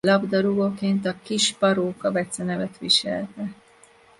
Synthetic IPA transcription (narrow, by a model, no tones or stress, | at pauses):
lɒbd̪ɒɾuɡoːkeːnt̪ɒkiʃpɒɾoːkɒvɛt̪sɛnɛvɛt̪ʋiʃɛ̰lt̪ɛ